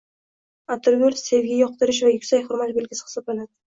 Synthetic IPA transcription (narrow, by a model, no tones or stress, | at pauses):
at̪ʰʊlɡʲolse̞vɡʲajɒq̚t̪ɪɾɪʃ̬vajʊkʲsajhʊɾmat̪̚belɡʲɪsɪ̥hɪ̥sɒblanad̪ɪ